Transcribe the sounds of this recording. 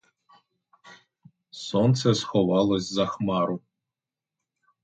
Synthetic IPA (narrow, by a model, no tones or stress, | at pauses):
sont̪sɛsxɔvɑlˠosʲzɐxmaɾu